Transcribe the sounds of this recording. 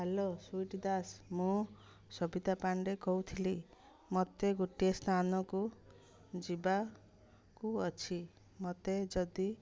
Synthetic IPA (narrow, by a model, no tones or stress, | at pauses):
ɦelosuiʈd̪asmũ | sɔbid̪apaɳɖekɔwt̪ʰili | mɔt̪eɡuʈiestanɔku | d͡ʒiba | kuɔt͡ʃʰi | mɔt̪ed͡ʒɔd̪i